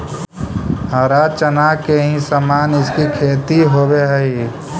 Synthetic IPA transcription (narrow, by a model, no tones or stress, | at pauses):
ɦəɾat͡ʃənakeɦĩsəmaːnɪskikʰeːt̪iɦoːbeɦəi